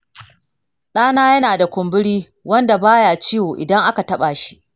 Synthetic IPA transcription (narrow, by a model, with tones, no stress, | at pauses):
ɗaː˦naː˦jɐ˦naː˨da˨kʷʊ˨mbɪ˦ɽiː˦ | wɐ˦nda˨baː˦jaː˨t͡ʃiː˦woː˨ʔɪ̰˨dɐ˦ŋʔa˦ka˨tɐ˦ɓa˨ʃi̥˦ʔ